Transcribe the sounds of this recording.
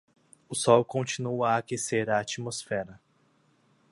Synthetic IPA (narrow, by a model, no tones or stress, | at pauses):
ʊsɔwkõt͡ʃinuaːkeseɾɐat͡ʃimosfɛɾɐ